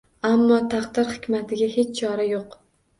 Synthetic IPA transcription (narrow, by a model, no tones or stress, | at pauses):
amːɒt̪ʰaqd̪ɪɾhɪkʲmat̪ʰɪɡʲahe̞t͡ʃt͡ʃʰɒɾajoq